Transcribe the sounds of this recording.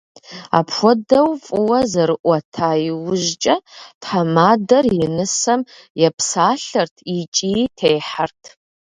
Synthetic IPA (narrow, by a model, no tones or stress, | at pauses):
a̰pxʷɔdɐwfʼɨwɐzɐɾɨʔʷɔtʰaːjiwʊʒt͡ʃʼɐtħamaːdɐrjɪnɨsɐm | jɛpʰsaːɬɐrtʰit͡ʃʼitʰejħartʰ